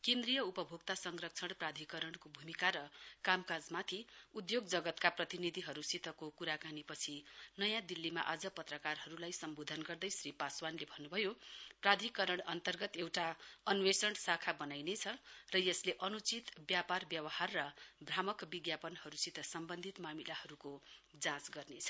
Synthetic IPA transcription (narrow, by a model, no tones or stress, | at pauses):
kẽnd̪rijʌupʌbʱoɡt̪asʌŋrʌk̚t͡sʰʌɽ̃prad̪ʱikʌɾʌɽ̃kobʱumikaɾʌkamkad͡zmat̪ʰiud̪joɡd͡zʌɡʌt̪kaprʌt̪inid̪ʱiɦʌɾusit̪ʰʌkokuɾakanipʌt͡sʰinʌjãd̪ilːima̰ʔad͡zʌpʌt̪rʌkarɦʌɾulajsʌmbod̪ʱʌnɡʌrd̪ʌjsripaswanlebʱʌnːubʱʌjoprad̪ʱikʌɾʌɽ̃ʌnt̪ʌrɡʌt̪ewʈaʌnwesʌɳʈsakʰabʌnajnet͡sʰʌrʌjʌsleʔʌnut͡sit̪bjaparbjʌwʌharːʌbramʌkbiɡjapʌnhʌɾusit̪ʰʌsʌmbʌnd̪ʱit̪mamilahʌɾukod͡zãsɡʌrnet͡sʰʌ̥